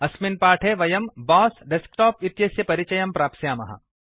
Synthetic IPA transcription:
ɐsminpaːʈʰeʋɐjɐmbɔːsɖeskʈɔːpit̪jɐsjɐpɐɾɪt͡ʃɐjɐmpɾaːpsjaːmɐ̰ɦɐ̰

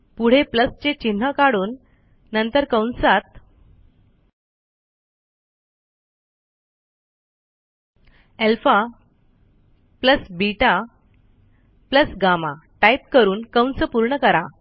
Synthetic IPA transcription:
puɽ̤epləst͡ɕet͡ɕin̤ːəkaɽuːnː | ənt̪əɾkə̃wnsat̪ | elfa | pləsbiʈa | pləsɡama̰ʈajp̚kəɾuːnkəwnsəpuɾɳəkəɾa

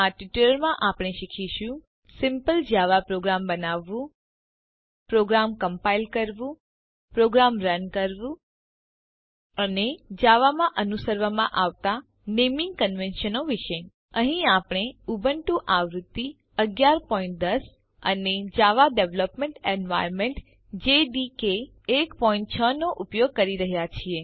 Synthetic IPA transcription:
aʈiʈuləɾmãʔapɽ̃eʃikʰiʃũ | sɪmpəld͡ʒaʋapɾoɡɾambənaʋːũ | pɾoɡɾamkəmpailkəɾʋũ | pɾoɡɾamɾənkəɾʋũ | əned͡ʒaʋamãʔənusəɾʋamãʔaʋt̪a | nemĩŋɡkənʋenʃənoʋiʃe | əɦĩapɳ̃eubəɳʈũʔaʋɾut̪ːi | əɡjaɾpɔĩɳʈ̚d̪əs | ə̰ned͡ʒaʋaɖeʋləpmẽɳʈenʋa̰jɾmeɳʈ | d͡ʒeɖikeː | kpɔĩɳʈ̚t͡ʃʰənoʔupjoɡ̚kəɾiɾəɦjat͡ʃʰie

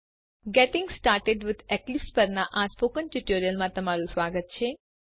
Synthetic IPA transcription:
ɡɛʈɪŋɡsʈaːɾʈeɖʋɪd̪ɛklɪpspəɾnaʔasfokənʈuʈoɾijəlmãt̪əmaɾũsʋaɡət̪̚t͡ʃʰe

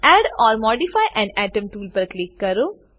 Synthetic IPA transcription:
ɛːɖɔːɾmɔːɖifaːjʔɛ̃ːnɛːʈə̃mʈuːlpɐɾklɪkːɐɾoː

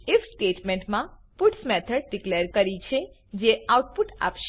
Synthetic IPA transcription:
efsʈeʈmẽɳʈmãpuʈsmɛt̪ʰəɖ̚ɖikleɾkəɾit͡ʃʰe | d͡ʒeauʈ̚puʈa̰pʃ

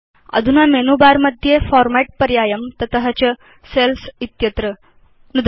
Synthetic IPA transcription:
ɐ̰d̪ʱunamenubaɾmɐd̪ʱjefɔɾmæʈ̚pəɾjaːjəmt̪ɐt̪əɦət͡ɕə | selsit̪jət̪ɾə | nud̪

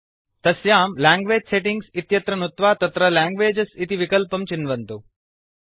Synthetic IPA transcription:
t̪ɐsjaːmlaːŋɡʋeːd͡ʒseʈiŋɡsit̪jɐt̪ɾɐnut̪ʋaːt̪ɐt̪ɾɐlaːŋɡʋeːd͡ʒɐsit̪iʋikɐlpɐmt͡ʃinːʋɐnt̪oː

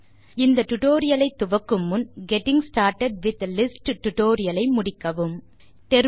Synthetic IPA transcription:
ɪnd̪ɐʈʊʈoːɾɪjɐlɐɪt̪ːʊʋɐkːɯmːʊnɡɛʈɪ̃ŋsʈaːɾʈɐɖ̚ʋɪt̪ɐlɪsʈʈːʊʈoːɾɪjɐlɐɪmʊɽɪkːɐʋɯm | t̪ɛɾ

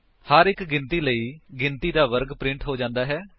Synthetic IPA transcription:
həɾɪkɡɪnt̪iːləiːɡɪnt̪iːd̪aːʋəɾɡpɾɪ̃ɳʈɦoːd͡ʒãːnd̪aːɦɛː

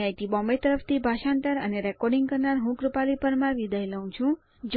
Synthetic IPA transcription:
ajt̪ibɔ̃mbet̪əɾəft̪ʰibʱaʃãnt̪əɾə̰neɾɛkɔɾɖiŋɡkəɾnaɾɦũkɾəpalipəɾmãʋid̪ʱajləũt͡ʃʰũ | d͡ʒ

